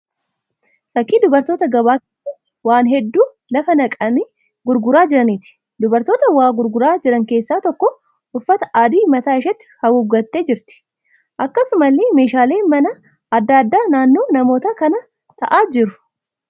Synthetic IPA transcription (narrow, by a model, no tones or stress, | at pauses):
fɐkːiːd̪ʊbɐɾt̪o̞ːt̪ɐɡɐbaːt̪ɪ | waːnɦɛd̪ːuː | lɐfɐnɐkʼɐnɪ | ɡʊɾɡʊɾaːd͡ʒɪɾɐnɪt̪ɪ̥ | d̪ʊbɐɾt̪o̞ːt̪ɐwaːɡʊɾɡʊɾaːd͡ʒɪɾɐŋkeːsːaːt̪ɔkːɔ | ʊfːɐt̪ɐʔaːd̪iːmɐt̪aːɪʃɐt̪ːɪ̥hɐʊɡːɐt̪ːe̞ːd͡ʒɪɾt̪ɪ̥ | ʔɐkːɐsʊmɐlːeːme̞ːʃaːle̞ːmɐnɐ | ɐd̪ːaːd̪ːaːnaːnːo̞ːnɐmo̞ːt̪ɐkɐnɐ | t̪ɐʔaːd͡ʒɪɾʊ̥